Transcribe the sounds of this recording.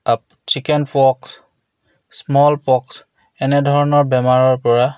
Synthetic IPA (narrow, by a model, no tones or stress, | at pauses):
ap | t͡ʃikɛnpɔks | smɔlpɔks | ɛnɛdʱɔɹɔnɔɹbɛmaɹɔɹpɔɹa